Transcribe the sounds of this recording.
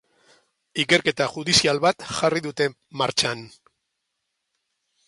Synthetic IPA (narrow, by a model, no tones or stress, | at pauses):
ike̞ɾke̞t̪aʝuðisialβat̪ʝariðut̪e̞ | maɾt͡ʃan